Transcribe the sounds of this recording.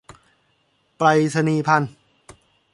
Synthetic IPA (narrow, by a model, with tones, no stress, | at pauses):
pɾa˧jsʰa˧niː˧pʰa˧˥˨n